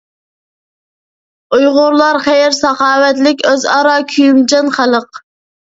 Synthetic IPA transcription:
ujʁʊɾlˠɑɾχɛjɪɾsɑχɑːwɛt̪lɪkʲøzɑɾɑkʲʰyjymd͡ʒɑnχælˠəq

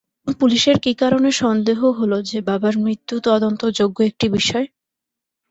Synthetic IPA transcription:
ŋpuliʃeɾkikaɾoneʃɔnd̪eɦoɦolod͡ʑebabaɾmɾit̪ːut̪ɔd̪ont̪od͡ʑoɡːoek̚ʈibiʃɔe

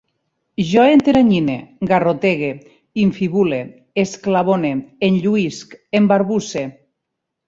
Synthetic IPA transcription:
ʒɔent̪eɾaɲineɡarot̪eɣe | iɱfiβule | esklaβoneenʎuiskembaɾβuse

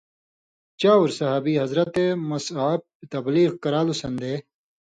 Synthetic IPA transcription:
t͡ɕaːuɾsɐɦaːbiɦɐzɾɐt̪emɐsaːb̚it̪ɐbliːqkɐɾaːlusɐnd̪eː

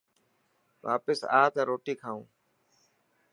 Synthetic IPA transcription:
ʋa̰ːpɪsa̰ːt̪ãːɾoːʈiːkʰaːũː

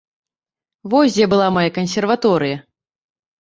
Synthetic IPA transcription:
vɔsʲd͡zʲɛbɨlˠamajakɐnʲs̬ʲɛrvat̪ɔɾɨjɐ

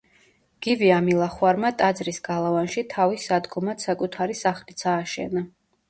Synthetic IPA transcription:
ɡ̥iviamilˠaχwaɾmat̪ʼad̪zɾisɡalˠavanʃit̪ʰavisad̪ɡɔmat̪sakʼut̪ʰaɾisaχlit̪sʰaːʃɛ̰na

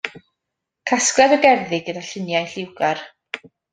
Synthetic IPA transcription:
kʰasklɛdəɡɛrðɪɡədaɬɪnjajɬɪwɡar

